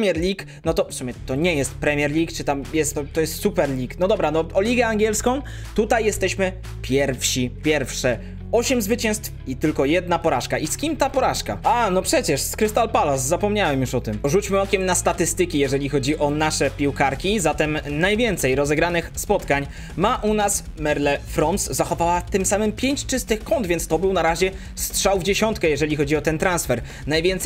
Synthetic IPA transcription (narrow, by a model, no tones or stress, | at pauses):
mʲjɛɾlʲik | nɔt̪ɔsumɲɛt̪ɔɲɛjɛst̪̚pɾɛmʲjɛɾlʲikt͡ʂɨt̪amjɛst̪ːɔt̪ːɔjɛst̪supɛɾlʲiknɔd̪ɔbɾanɔɔlʲiɡɛaŋɡʲjɛlskɔ̃w̃ | t̪ut̪ajːɛst̪ɛɕmɘ | pʲjɛɾfɕipʲjɛɾfʂɛ | ɔɕɛmzvɘt͡ɕɛ̃w̃st̪fit̪ɘlkɔjɛd̪napɔɾaʂkaʔiskʲimt̪apɔɾaʂka̰anɔpʂɛt͡ɕɛʂskɾɘst̪alpalaszapɔmɲawɛmjuʂɔt̪ɘmʐut͡ɕmɘɔkʲɛmnast̪at̪ɘst̪ɘkʲijɛʐɛlʲixɔd͡ʑiʔɔnaʂɛpʲiwkaɾkʲizat̪ɛmnajvʲjɛnt̪sɛjɾɔzɛɡɾanɘxspɔt̪kaɲ | maʔunas | mɛɾlɛfɾɔnszaxɔvawat̪ɘmsamɘmpʲjeɲt͡ɕt͡ʂɘst̪ɘxkɔnd̪vʲjɛntst̪ɔbɘwnaɾaʑɛ | stʂawvd͡ʑeɕɔnt̪kɛjɛʐɛlʲixɔd͡ʑiɔt̪ɛnt̪ɾansfɛɾ | najvʲjɛnt̪sɛ